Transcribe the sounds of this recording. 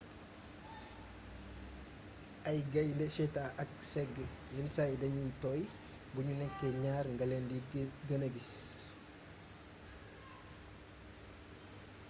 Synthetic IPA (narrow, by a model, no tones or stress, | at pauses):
ajɡɐjndesetaʔak̚sɛɡ | jɛnsaidɐɲitɔj | buɲunɛkːeɲaːɾŋɡɐlendiɡənəɡis